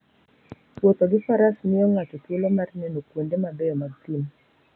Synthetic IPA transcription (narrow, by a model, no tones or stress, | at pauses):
pwot̪oɡɪfaɾasnɪɔŋat͡ʃɔkɪlɔmarnɛnokwondemabɛɔmaɡ̚t̪im